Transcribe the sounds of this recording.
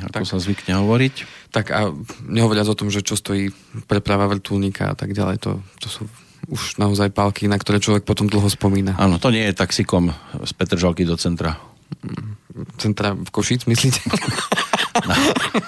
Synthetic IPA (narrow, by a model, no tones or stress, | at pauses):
a̰t̪ɔsazʋikɲɛɦɔʋɔɾict̪aɡaɲɛɦɔʋɔɾɪad͡zɔt̪ɔmʒɛt͡ʃɔst̪ɔjiː | pɾɛpɾaʋaʋr̩t̪ulɲikʰa̰a̰t̪aɡɟalɛ̰jt̪ɔ̰t̪ɔsuː | uʒnaɔzajpalkinakt̪ɔɾɛːt͡ʃlɔʋɛk̚pɔt̪ɔmd̪l̩ˠɦɔspɔmiːnaʔa̰ːnɔt̪ɔɲɪɛjɛt̪aksikɔmspɛt̪r̩ʒalkid̪ɔt͡sɛnt̪ɾa | t͡sɛnt̪ɾafkɔʃit͡smisliːcɛ̥ | na